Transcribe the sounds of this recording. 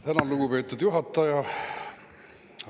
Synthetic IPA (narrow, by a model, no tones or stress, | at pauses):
t̪ænɑluɡ̥upe̞ːt̪ːˑud̪̥juɦɑt̪ːˑɑjɑ